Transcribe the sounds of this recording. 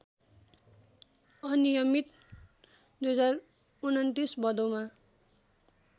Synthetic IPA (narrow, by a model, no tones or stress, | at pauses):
ʌnijʌmit̪ | d̪ujʌd͡zar | unʌnt̪isbʌd̪oma